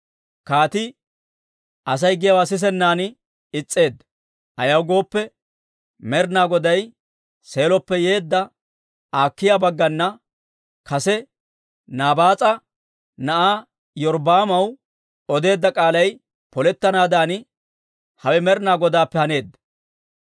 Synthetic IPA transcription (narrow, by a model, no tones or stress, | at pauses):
kaːt̪ɪ | ʔɐs̬ɐjɡɪjɐwaːs̬ɪs̬ɛnːaːnɪ | ɪt͡sʼːe̞ːd̪ː | ʔɐjɐwɡo̞ːpːɛ | mɛɾnaːɡɔd̪ɐj | se̞ːlɔpːɛje̞ːd̪ːɐ | aːkːɪjaːbɐɡːɐnːɐ | kɐsɛ | naːbaːt͡sʼɐ | nɐʔaː | jɔɾbaːmɐw | ɔd̪e̞ːd̪ːɐkʼaːlɐj | pɔlɛt̪ːɐnaːd̪aːn | hɐwɛmɛɾnaːɡɔd̪aːpːɛhɐne̞ːd̪ːɐ